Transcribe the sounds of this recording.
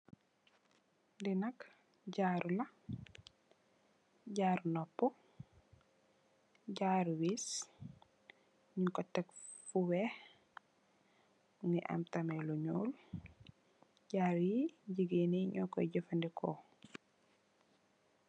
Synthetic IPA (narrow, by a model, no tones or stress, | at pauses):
ndinɐk | ɟaːɾulɐ | ɟaːɾnɔpːɔ | ɟaːɾuwis | ɲikɔtːɛk | fuwɛh | ŋɡiʔa̰mtameluɲuːl | ɟaːɾjiɟiɡineɲɔkɔ̰ɟəfandikʰɔ